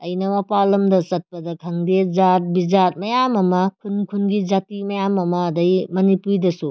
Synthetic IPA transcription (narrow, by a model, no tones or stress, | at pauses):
ɐjnɐmɐpalɐmdɐsɐt̚pɐdɐkʰɐŋdezat̚bizat̚mɐjamɐmɐkʰunkʰunɡid͡ʒatimɐjamɐmɐːdɐjmɐnipujdɐsu